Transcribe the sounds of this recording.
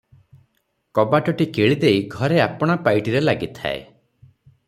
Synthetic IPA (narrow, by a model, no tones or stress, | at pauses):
kɔbaʈɔʈikeɭid̪ejɡʱɔɾeapɔɽ̃apajʈiɾelaɡit̪ʰa̰ḛ